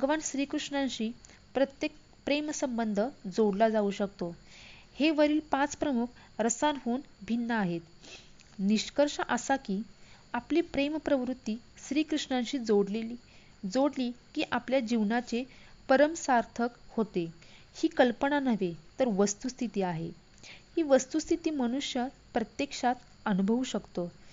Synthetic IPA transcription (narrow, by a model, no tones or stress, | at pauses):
bʱəɡʋanɕɾiːkɾuʂɳãnɕiː | pɾət̪jek̚ | pɾemsəmbənd̪ʱəd͡zoɽlad͡zauɕəkt̪o | heʋəɾiːlpãt͡spɾəmukʰ | ɾəsanɦonbʱinːəaɦet̪ | niɕkəɾʂəʔəsakiː | apliːpɾempɾəʋɾut̪ːiːsɾiːkɾuʂɳãnɕiːd͡zoɽleli | d͡zoɽliːkiːʔapljad͡ʑiʋnat͡ɕe | pəɾəmsaɾt̪ʰəkhot̪e | hiːkəlpəɳanəʋet̪əɾʋəst̪ust̪ʰit̪iːaɦḛ | hiːʋəst̪ust̪ʰit̪iːməñuɕjə | pɾət̪jekʂat̪ | ənubʱəʋuːɕəkt̪o